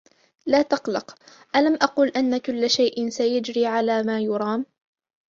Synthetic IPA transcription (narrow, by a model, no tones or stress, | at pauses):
laːt̪ɑqlɑq | ʔalamʔaquːlʔanːakʊlːʃajʔɪnsajad͡ʒɾiːʕalaːmaːjʊɾˤɑːm